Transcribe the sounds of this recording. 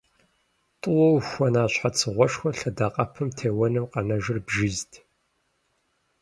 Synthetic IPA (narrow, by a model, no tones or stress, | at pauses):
tʼʊwɐwxʷɔnaːɕħat͡sʰɨʁʷɔʂxʷɔɬɐdaːqʼɐpʰɨmtʰeːwɐnɨmqɐnɐʒɪrbʒɪztʰ